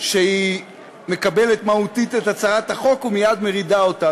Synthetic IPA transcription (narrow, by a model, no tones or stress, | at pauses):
ʃei | me̞kabe̞le̞t̪mautitetat͡saʁathaχo̞kumijad̪me̞ʁidao̞ta